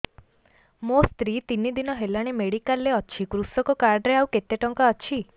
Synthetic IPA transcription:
most̪ɾit̪inːid̪inɔɦelaɽ̃imeɽikalːeɔt͡ʃʰikɾusɔkɔkaɾɖɾeawket̪eʈɔŋkaɔt͡ʃʰi

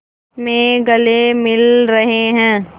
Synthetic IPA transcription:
mẽɡɐlemɪlɾɐɦeɦɛ̃ː

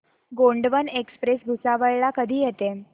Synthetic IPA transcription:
ɡoɳɖʋənekspɾesbʱusaʋəjɭakəd̪ʱiːjɛt̪e

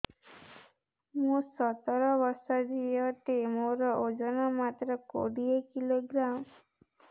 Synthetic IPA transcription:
mũsɔt̪ɔɾɔbɔɾsɔd͡ʒijɔʈ̪emoɾɔʔod͡ʒɔnɔmat̪ɾɔko̰ɽiekiloɡɾam

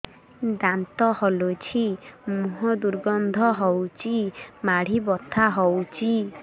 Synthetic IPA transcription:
d̪ant̪ɔhɔlot͡ʃʰimuɦɔd̪uɾɡɔnd̪ʱɔɦɔwt͡ʃʰimaɽ̤ibɔt̪ʰaɦɔwt͡ʃʰi

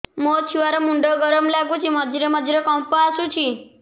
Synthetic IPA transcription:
mot͡ʃʰiʋaɾemuɳɖəɡəɾəmlaɡũt͡ʃʰiməd̪ʱiɾeməd͡ʒ̪ʱiɾekɔ̃mpaːsũt͡ʃʰi

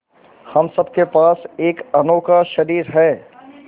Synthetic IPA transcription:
hɐmsɐb̚kepaːseːkɐnoːkaʃɐɾiːɾɦɛː

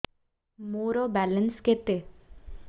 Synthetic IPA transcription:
moɾɔbɛlənsket̪e

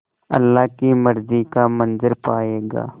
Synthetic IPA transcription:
ɐ̰lːaːkimɐɾzikamɐnzəɾpaːeːɡa̰ː

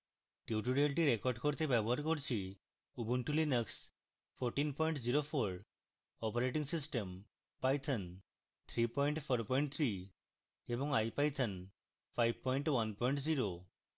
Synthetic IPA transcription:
ʈiʈuɾelʈiɾekɔɾɖkoɾt̪ebɛbɔɦaɾkoɾt͡ʃʰi | ubunʈulinəks | pʰoɾʈinpɔjɳʈziɾopʰoɾ | ɔpoɾeʈ̬iŋsisʈem | pajt̪ʰən | t̪ʰɾipɔjɳʈpʰɔɾpɔiɳʈ̚t̪ʰɾi | ebɔŋajpajt̪ʰən | pʰajb̚pɔjɳʈwanpɔjɳʈziɾo

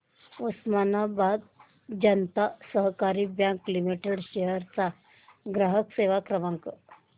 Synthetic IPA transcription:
osmanabad̪ | d͡ʑənt̪asəɦkaɾiːbjãŋkːlimeʈeɽɕeɦəɾt͡sa | ɡɾaɦəkseʋakɾəmãŋk

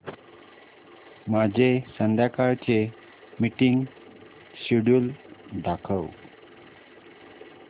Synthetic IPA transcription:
mad͡ʑʱesənd̪jakaɾt͡ɕe | miʈiŋɡ | ɕiɽuld̪akʰəw

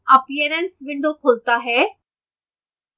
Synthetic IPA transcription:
əpijəɾənsʋɪ̃ɳɖ̪okʰoːlt̪aɦɛː

